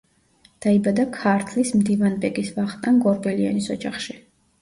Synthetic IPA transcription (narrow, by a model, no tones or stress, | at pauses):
d̪̥aibad̪akʰaɾt̪ʰlismd̪ivanbɛɡisvaχt̪ʼanɡɔɾbɛlia̰nisɔd͡ʒaχʃi